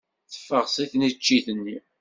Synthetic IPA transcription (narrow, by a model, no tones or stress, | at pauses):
θə̥fːəʁsˤiθnit͡ʃːiθənːi